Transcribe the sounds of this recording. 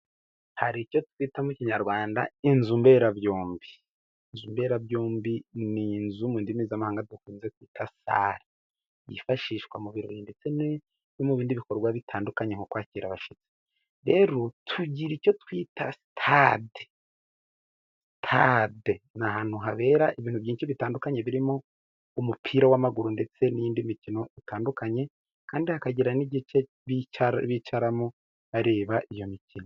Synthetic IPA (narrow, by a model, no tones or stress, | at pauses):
haɾico̞twiːtamuciɲaɾɡwaːnda̰inzumbe̞ːɾaβjoːmbiː | nzumbe̞ɾabjoːmbininzumuːndimiːzamahaːŋɡadukuːnzekwiːtʰasa̰ɾa | jḭfaʃiːʃkwa̰muβiɾo̞̰βiːnde̞t͡sen | nomuβiːndiβiko̞ɾɡwaβitʰaːndukaɲeŋokwaːciɾaβaʃit͡se̥ | ɾe̞ːɾo̞tʰuɟiɾico̞twiːtasi̥tʰade̥ | stʰadenahaːn̥huɦaβe̞ːɾaʔiβiːnhuβjiːnʃiβitaːndukaɲe̞βiɾimo̞ | umupʰiːɾawamaɡuɾunde̞t͡se̞nijiːndimicino̞itaːndukaɲe̞ | kaːndihakaɟiɾaniɟit͡ʃe̞ | βiβiːt͡ʃaɾamo | aɾe̞ːβaʔijo̞micino